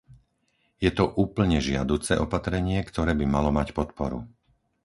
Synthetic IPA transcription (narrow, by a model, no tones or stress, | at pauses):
jɛt̪ɔʔuːpl̩ɲɛʒɪa̰d̪uːt͡sɛ̰ʔɔpat̪ɾɛɲɪɛkt̪ɔɾɛːbimalɔmacpɔt̪pɔɾṵ